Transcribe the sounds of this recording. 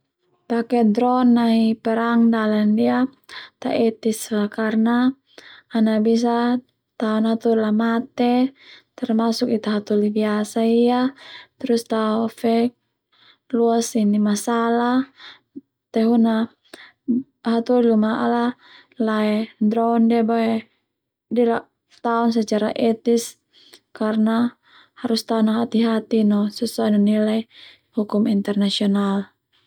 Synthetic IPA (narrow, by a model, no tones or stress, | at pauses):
pakɛd̪ɾɔnːaɦipɛɾaŋdalandiat̪a̰ʔɛt̪isakarnaː | nabis̬a | t̪aɔnɦat̪ulamat̪ɛt̪ɛrmasukit̪aɦat̪ulibiasaijat̪ɾust̪aɔfɛk | luasinimasala | t̪ɛɦuna | ɦat̪ɔlilumaʔala | laɛdɾɔndiabaɛ | dilaʔ | t̪aɔnsɛt͡ʃaɾa̰ʔɛt̪is | karna | haɾust̪aɔnaɦat̪iɦat̪inɔsɛsuanɔnilaj | hukumint̪ɛrnasiɔnal